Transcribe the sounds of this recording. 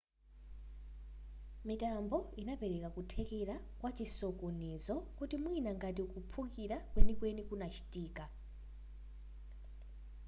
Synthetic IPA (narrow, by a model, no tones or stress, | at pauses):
mitambɔinapɛɾɛkakutʰɛkɛɾa | kwat͡ʃisɔkɔnɛzɔkutimwinaŋɡatiukupʰukiɾakwenikwenikunat͡ʃʰi̥tʼiːka